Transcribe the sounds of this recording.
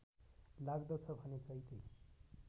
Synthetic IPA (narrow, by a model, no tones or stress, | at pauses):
laɡd̪ʌt͡sʰʌbʱʌnet͡sʌjt̪ej